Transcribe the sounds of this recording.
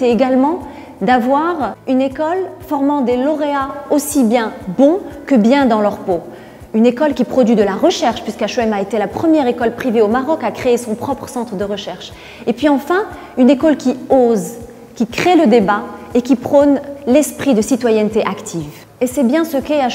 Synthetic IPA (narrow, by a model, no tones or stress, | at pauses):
t̪eeɡalmɑ̃ | d̪avwaʁynekɔlfɔʁmɑ̃d̪elɔʁeaosibjɛ̃bɔ̃kəbjɛ̃d̪ɑ̃lœʁpo | ynekɔlkʲipχɔd̪ɥid̪əlaʁəʃɛʁʃpɥiskaʃɛmaet̪elapχəmjɛʁekɔlpχiveomaʁɔkakχeesɔ̃pχɔpχə̥sɑ̃t̪χəd̪əʁəʃɛʁʃ | epɥiɑ̃fɛ̃ | ynekɔlkʲioz | kʲikχeləd̪ebaekʲipχɔnlɛspχid̪əsit̪wajɛnt̪eʔakt̪ʰiv | esɛbjɛ̃səkɛa